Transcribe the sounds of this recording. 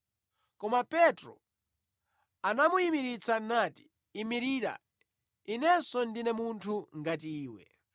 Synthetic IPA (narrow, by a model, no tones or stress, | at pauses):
kɔmapɛtɾɔ̰ | anamuimiɾit͡sanati̥ | imiɾiɾa̰ | inɛsɔndinɛmuntʰuŋɡatiːwɛ̰